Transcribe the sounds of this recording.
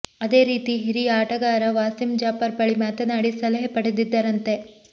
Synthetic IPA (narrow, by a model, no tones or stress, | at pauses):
ɐd̪e̞ːɾiːt̪iɦiɾiaːʈɐɡaːɾɐʋaːsimd͡ʒaːpɐɾpɐɭimaːt̪ɐnaːɽisɐlɐɦɐpɐɽed̪id̪ːɐɾɐnt̪e̞